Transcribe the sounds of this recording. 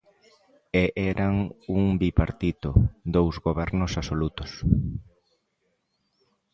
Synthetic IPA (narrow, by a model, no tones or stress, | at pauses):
eʔɛɾaŋuŋbipaɾt̪it̪ʊd̪owzɣoβɛɾnʊsasolut̪ʊs